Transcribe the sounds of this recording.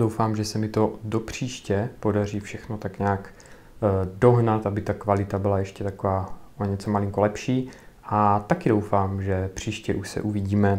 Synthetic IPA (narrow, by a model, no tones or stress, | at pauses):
dowfaːmʒɛsɛmɪt̪odopr̥iːʃcɛpo̞dar̝iːfʃɛxnot̪akɲaːk | doɦnat̪ʔabɪt̪akvalɪt̪abɪlajɛʃcɛt̪akovaːoɲɛt͡somaliŋkolɛpʃiː | ʔat̪akɪdo̞wfaːmʒɛpr̝̥iːʃcɛʔuʃsɛ̰ʔuviɟiːmɛ